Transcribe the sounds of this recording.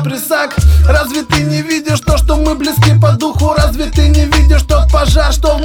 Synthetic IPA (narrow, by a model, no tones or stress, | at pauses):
pɾʲɪsakrazvʲɪt̪ɨnʲɪvʲidʲɪʂt̪oʂt̪omɨblʲɪskʲip̬ɐd̪uxʊɾazvʲɪt̪ɨnʲɪvʲidʲɪʂt̪ot̪pɐʐaʂt̪o